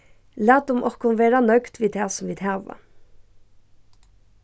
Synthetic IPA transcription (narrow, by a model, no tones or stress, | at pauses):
læːd̪ʊmʔɔkʊnʋeːɾɑnœɡt̪ʋiːd̪æːsɔmʋiːd̪hæːʋɑ̰